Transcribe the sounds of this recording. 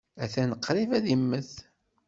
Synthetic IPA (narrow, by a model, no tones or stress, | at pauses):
æθænəqʰːɾivæðimːəθ